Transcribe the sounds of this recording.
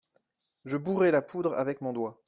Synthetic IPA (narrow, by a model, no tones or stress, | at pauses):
ʒəbuʁɛlapud̪ʁa̰vɛkmɔ̃d̪wa